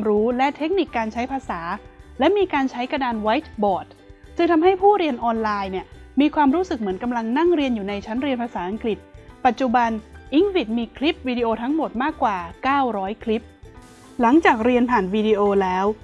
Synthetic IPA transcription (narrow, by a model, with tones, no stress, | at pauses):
mɾuː˦˥lɛ˦˥t̪ʰe˦˥k̚ni˨˩kːaː˧nt͡ɕʰa˦˥jpʰaː˧saː˩˦lɛ˦˥miː˧kaː˧nt͡ɕʰa˦˥jka˧naː˧nwa˦˥jt̪̚bɔː˨˩t̪̚ | sɯ˥˩ŋt̪ʰa˧mɦa˥˩jpʰuː˥˩ɾi˧ənʔɔː˧nlaː˧jni˥˩əmiː˧kʰwaː˧mɾuː˦˥sɯ˨˩k̚mɯ˩˦ənka˧mla˧ŋna˥˩ŋɾi˧ənjuː˨˩na˧jt͡ɕʰa˦˥nɾi˧ənpʰaː˧saː˩˦ʔa˧ŋkli˨˩t̪̚pa˨˩t̪̚t͡ɕu˨˩ba˧nʔi˦˥ŋsi˨˩t̪̚miː˧kʰli˦˥p̚wiː˧di˧ʔoː˧t̪ʰa˦˥ŋmo˨˩t̪̚maː˥˩kːwaː˨˩kaː˥˩wɾɔː˦˥jkʰli˦˥p̚ | la˩˦ŋt͡ɕaː˨˩k̚ɾi˧ənpʰaː˨˩nwiː˧di˧ʔoː˧lɛː˦˥w